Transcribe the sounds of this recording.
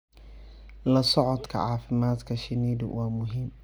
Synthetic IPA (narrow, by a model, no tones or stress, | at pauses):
lɐsɔʕɔd̪kʰɐ̰ʕɑːfɪmaːd̪kʰɐʃɪniːdʊ̰wʔɑːmʊɦiːm